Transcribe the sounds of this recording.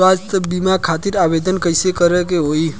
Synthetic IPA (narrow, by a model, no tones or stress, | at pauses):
ast̪əbimakʰat̪iɾaʋed̪ənkəisekəɾekeɦoi